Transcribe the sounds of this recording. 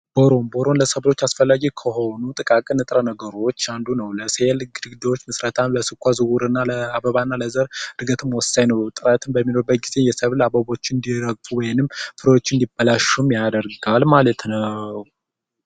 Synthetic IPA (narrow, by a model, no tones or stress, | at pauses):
b̥oɾo̞mbo̞ɾo̞nləsəβlo̞t͡ʃːasfəlːaɡikʰəho̞nut̪ʼɨkʼakʼɨnɨt̪ʼɨɾənəɡəɾo̞t͡ʃːand̪unəwləsejelɨɡɨd̪ɨɡɨd̪əwot͡ʃːmɨsɾət̪ʰaləsɨkʷːazɨɡuɾɨnːaləabəβanːaləzəɾɾɨɡət̪ʰɨmwɔsːajnəwt̪ʼɨɾat̪ʰɨmbəmːino̞ɾbət̪̚ɡize̞jɛsəβlaβəβo̞t͡ʃːɨnd̪iɾəɡfʼuwɔjɪnɨmfɨɾəwot͡ʃːɪɨnd̪ibːəlaʃumjad̪əɾɡalmalət̪nəw